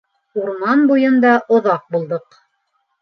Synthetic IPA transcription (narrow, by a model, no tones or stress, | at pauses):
uɾmɑnbujɤnd̪ɑʔŏðɑq̚bulˠd̪ɤq